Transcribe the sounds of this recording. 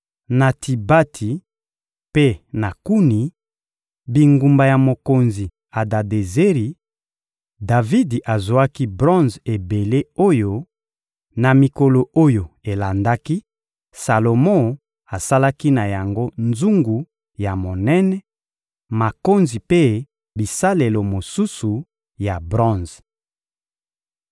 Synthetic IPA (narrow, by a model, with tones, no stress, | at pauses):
na˨tʰi˨ba˦tʰi˨ | pe˦na˨ku˦ni˨ | bi˨ŋɡu˨mba˨ja˨mo˨ko˨nzi˨ | a˨da˨de˨ze˦ʁi˨ | da˨vi˦dʔa˨zo˨a˦ki˦bʁɔ̃˦nze˨be˨le˦o˦jo˦ | na˨mi˨ko˨lo˨o˦jo˨e˨la˨nda˦ki˦ | sa˨lo˨mɔ̃˦ | a˨sa˦la˦ki˦na˨ja˨ŋɡo˦nzu˦ŋɡu˨ | ja˨mo˨nɛ˦nɛ˦ | ma˨ko˦nzi˨pe˦ | bi˨sa˦le˨lo˨mo˨su˦su˨ | ja˨bʁɔ̃˦nz